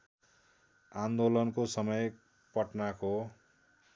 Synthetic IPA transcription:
and̪olʌnkosʌmʌj | pʌʈnako

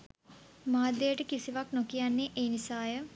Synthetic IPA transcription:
maːd̪ːejəʈəkisiʋaknokijanːeʔeːnisaːjə

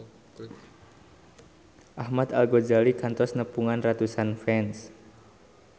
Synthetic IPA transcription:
ʔahmat̪alɡod͡ʒalikant̪ɔsnəpuŋanrat̪usanfɛns

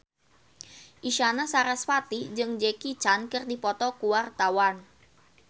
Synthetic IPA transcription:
ʔiʃanasaɾasfat̪id͡ʒɨŋd͡ʒekit͡ʃankɨrdipɔt̪ɔkuwart̪awan

